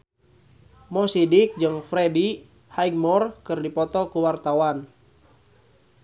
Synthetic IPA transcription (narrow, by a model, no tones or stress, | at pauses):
mɔsidɪk̚d͡ʒɨŋfɾɛdi | hajɡmɔrkɨrdipɔt̪ɔkuwart̪awan